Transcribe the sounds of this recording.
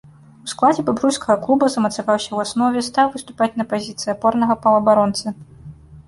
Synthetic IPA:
usklˠad͡zʲɛbabɾujskɐɣɐklˠubɐzɐmɐt̪savawsʲɐwasnɔvʲɛst̪awvɨst̪u̥pat͡sʲnɐpazʲit̪sɨjɐpɔrnɐɣɐpɐlˠɐbaɾɔnt̪sɨ

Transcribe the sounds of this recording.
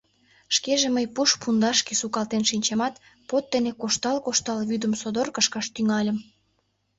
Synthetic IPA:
ʃkeʒeməjpuʃpund̪ɑʃkesukɑlt̪enʃinʲt͡ɕemɑt̪ | pot̪̚d̪enekoʃt̪ɑlkoʃt̪ɑlβyd̪əmsod̪orkəʃkɑʃt̪yŋɑlʲəm

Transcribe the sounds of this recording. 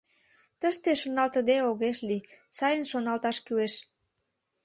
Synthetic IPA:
t̪əʃt̪eʃonɑlt̪əd̪eoɣeʃlisɑjənʃonɑlt̪ɑʃkyleʃ

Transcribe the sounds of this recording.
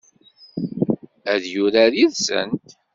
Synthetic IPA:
æðjʊɾaɾiðsə̰nt̪

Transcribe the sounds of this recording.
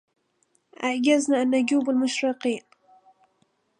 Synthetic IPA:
ʔaʕɡaznaʔanːʊɟuːbalmʊʃɾiːqiːn

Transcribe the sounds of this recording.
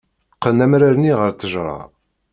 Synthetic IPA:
qːənæmɾaɾniʁəɾθəʒɾˤɑ̰

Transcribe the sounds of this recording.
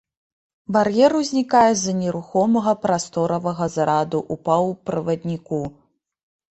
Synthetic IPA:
barjɛɾuzʲnʲikajɛzɐnʲɛɾuxɔmɐɣɐpɾast̪ɔɾɐvɐɣɐzɐɾad̪uʔupɐwpɾɨvɐd̪ʲnʲiku

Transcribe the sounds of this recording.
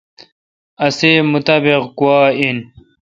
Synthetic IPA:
ɐseːmut̪aːbeqkuwaːin

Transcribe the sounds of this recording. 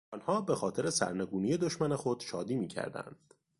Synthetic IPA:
ɒnhɒːbe̞xɒːt̪ʰe̞ɾesæ̰ɾne̞ɡuːnije̞d̪oʃmæne̞xod̪̥ʃɒːd̪iːmiːcʰæ̰ɾd̪æ̰nd̪̥

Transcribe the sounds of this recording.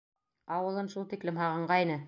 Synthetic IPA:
ɑwɤ̆lˠɤnʃulˠt̪iklɘmɦɑʁɤ̆ɴɢɑinɘ

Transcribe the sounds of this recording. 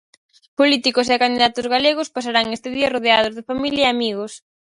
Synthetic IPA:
polit̪ikos̬ekand̪iðat̪ʊzɣaleɣ̞ospasaɾaŋest̪ɪðiɐroðeað̞ozðɪfamiljaɐeamiɣos

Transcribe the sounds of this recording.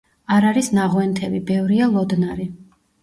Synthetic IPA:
aɾaɾisnaʁwɛnt̪ʰɛvibɛvɾialˠɔd̪naɾi

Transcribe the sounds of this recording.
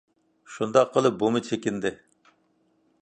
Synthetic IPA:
ʃund̪ɑqːəlˠɨp̚bomɨt͡ʃʰekʲɪnd̪ɪ

